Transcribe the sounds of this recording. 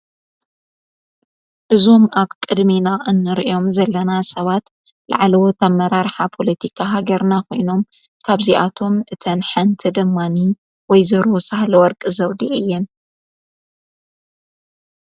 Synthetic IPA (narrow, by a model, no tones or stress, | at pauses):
ʔɨzo̞mʔaβkʼɨd̪minaʔɨnːɨɾʔjo̞mzɐlːɐnasʼɐβat̪ | la̰ʕlɐwot̪ʰɐmːɐɾaɾħapʰo̞lɐt̪ʰikʰaɦaɡɐɾnako̞jno̞m | kʰaβziʔat̪ʰo̞mʔɨt̪ʰɐnħant̪ʰɨd̪ɨmːani | wɔjzɐɾɔsahlɐwɔɾkʼɨzɐwd̪iʔɨjːɛn